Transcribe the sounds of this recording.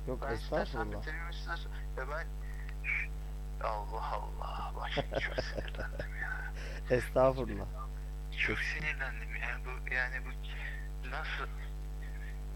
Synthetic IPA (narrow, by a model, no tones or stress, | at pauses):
jokɛst̪ʰaːfuɾlˠat̪elimiʃaɾs | jabæn | alˠːɑhɑ̰lˠːɑh | baʃt͡ʃʰo̥ | ɛst̪ʰaːfuɾlˠa̰ | t͡ʃʰoksenilænd̪imjanbujaːnibu | nasɯ